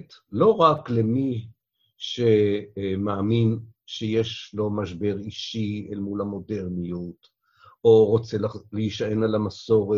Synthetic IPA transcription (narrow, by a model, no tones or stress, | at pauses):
t̪lo̞ʁaklemi | ʃemaːmin | ʃejeʃlo̞maʃbe̞ʁiʃielmulamo̞deʁnijut | ʔoʁot͡seleiʃaenalamaso̞ʁe